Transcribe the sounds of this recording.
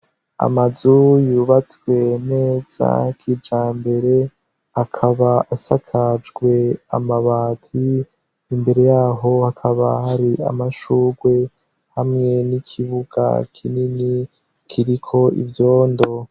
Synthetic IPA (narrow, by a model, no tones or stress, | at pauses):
a̰mazujuβat͡sɡwe̞ne̞ːz̥a̰kʰid͡ʒaːmbe̞ɾe̞ | akʰaβaasakʰad͡ʒɡwe̞a̰maβaːtʰiː | mbe̞ɾe̞jaːɦo̞hakʰaβahaɾia̰maʃuːɡwe̞ | hamŋe̞nikʰiβuɡ̥a̰kʰinini | kʰiɾikʰo̞ḭvjo̞ːndo̞